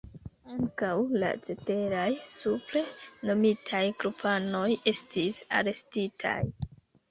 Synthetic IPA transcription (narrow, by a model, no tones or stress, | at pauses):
aŋkawla̰t͡se̞te̞ɾajsuple̞no̞mitʰajkɾupʰano̞je̞stisa̰ɾe̞stitʰa̰j